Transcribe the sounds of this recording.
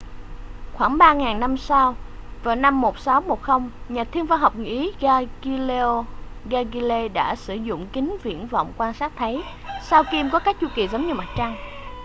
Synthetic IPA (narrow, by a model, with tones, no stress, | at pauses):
xwaː˧˩ŋɓaː˧ŋaː˨˩ŋna˧msa˧wvaː˨˩wna˧mːo˨˩t̚sa˨˦wmo˨˩t̚xə˧wŋ͡mɲaː˨˩t̪ʰi˧əŋvaː˧ɦa˨˩wk͡p̚ŋɨ̰˧ʔi˨˦ɣa˧ɣi˧le˧o˧ɣaː˧ɣi˧le˧ɗa̰ː˧˥sɨ˧˩zʊ̰˧˨ŋ͡mkï˨˦ŋ̟vḭ˧˨ənvɔ̰˧˨wŋ͡mkwaː˧nŋsaː˦˥k̚t̪ʰə˨˦j | sa˧wki˧mkɔ˨˦kaː˦˥k̚t͡ɕu˧ki˨˩zə˨˦ŋ͡mɲɨ˧ma˨˩t̚t͡ɕa˧ŋ